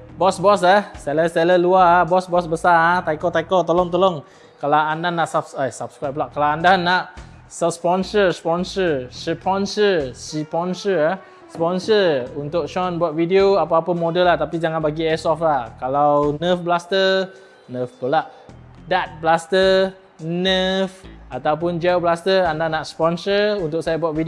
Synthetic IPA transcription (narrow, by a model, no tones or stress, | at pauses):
bɔsbɔsasɛləsɛləluaabɔsbɔsbəsaat̪ajkɔt̪ajkɔt̪ɔlɔŋt̪ɔlɔŋ | kalawandanaʔsabsasabskɾajp̚laʔkalawandanːaʔ | səspɔnsəspɔnsərsəpʰɔnsəsipɔnsəa | spɔnsəunt̪ʊk̚ʃɔnbuat̪̚vidioapəapəmodəlːaht̪apid͡ʒaŋanbaɡiɛsɔflahkalawnəfblast̪ə | nəfpəlaʔ | dat̪̚blast̪ə | nəfat̪awp̬ʊnd͡ʒɛwblast̪ərandanaʔspɔnsəunt̪ʊk̚sajabuat̪̚vidi